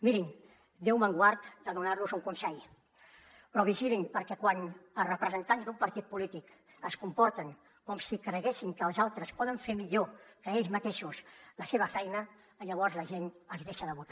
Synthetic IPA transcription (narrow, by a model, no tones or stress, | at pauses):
miɾiŋ | d̪ewməŋɡwaɾt̪d̪əðunaɾnuzuŋkunsɛj | pɾɔβiʒiliŋpəɾkɛkwanərəpɾəzənt̪anzd̪umpəɾt̪it̪̚pulit̪ik | əskumpɔɾt̪əŋ | kɔmsikɾəɣɛsiŋkəːlˠzalˠt̪ɾəspɔðəɱfeɾmiʎokəeʎzmət̪eʃusləseβ̞əfɛjnəː | ʎəβ̞ɔɾzləʒenəlˠzðeʃəðəβut̪a